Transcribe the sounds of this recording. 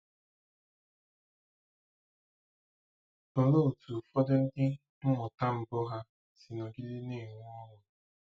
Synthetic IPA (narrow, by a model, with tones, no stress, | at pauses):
o˨lo˦˨tu˨fɔ˦de˦n̩˦dɪ˦ | ŋ̩˦ŋɔ˨ta˦m̩˨bo˦ɦa˦ | si˨nɔ˨ɡɪ˦dɪ˦ne˦˨ŋʷ˦ɔ˦ɾʊ˨